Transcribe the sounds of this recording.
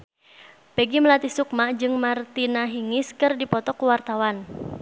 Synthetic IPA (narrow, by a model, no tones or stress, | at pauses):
pɛɡiməlat̪isuk̚mad͡ʒɨŋmart̪inaɦiŋɪskɨrdipɔt̪ɔkuwart̪awan